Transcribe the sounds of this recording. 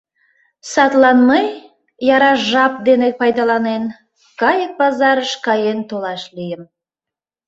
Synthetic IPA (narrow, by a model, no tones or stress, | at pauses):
sɑt̪lɑnmej | jɑɾɑʒɑp̚d̪enepɑjd̪ɑlɑnen | kɑjək̚bɑzɑɾəʃkɑjent̪olɑʃlyjəm